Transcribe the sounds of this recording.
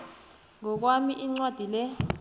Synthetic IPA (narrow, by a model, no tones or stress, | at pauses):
ŋɔk̬wamiʔiŋ͡ǀwad̥ʱilɛ